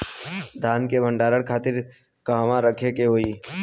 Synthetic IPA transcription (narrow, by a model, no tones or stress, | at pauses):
d̪ʱaːnkebʱə̃ɳɖaːɾəɽkʰaːt̪ɪɾ | kaːʋãɾəkʰekeɦoːiː